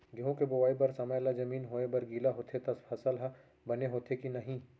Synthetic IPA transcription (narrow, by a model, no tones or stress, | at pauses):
ɡeɦõkebʊʋaːibɐɾsɐməjlazɐmiːnɦoːebɐɾɡiːlaɦoːt̪ʰet̪ɐspʰɐsəlɦ | bɐneɦoːt̪ʰekinɐɦĩ